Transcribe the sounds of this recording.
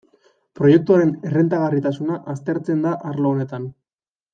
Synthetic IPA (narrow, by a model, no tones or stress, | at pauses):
pɾo̞je̞k̚t̪uaɾe̞ne̞re̞nt̪aɣ̞arit̪asunaʔast̪e̞ɾt͡se̞nd̪aʔaɾloːne̞t̪an